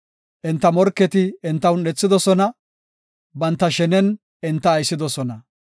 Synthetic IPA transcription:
ʔɪnt̪ːɐmɔɾkːɛt̪ɪːnt̪ːɐwnɛt͡sːɪd̪ɔsɔnɐ | bɐnt̪ːɐʃɛnɛn | ɪnt̪ːɐːjsːɪd̪ɔsɔnɐ

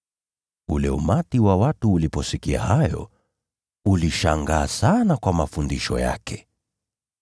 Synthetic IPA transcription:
ulɛumatiwawatuːlipɔsikia̰hajɔ̰ | uliʃaŋɡaːsanakwamafundiʃɔ̰ja̰kʰɛ̥

